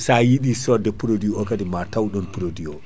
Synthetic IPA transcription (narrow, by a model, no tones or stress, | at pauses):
sajiɗisɔdɛpuɾodiɔkadimatawɗɔnpuɾodiɔ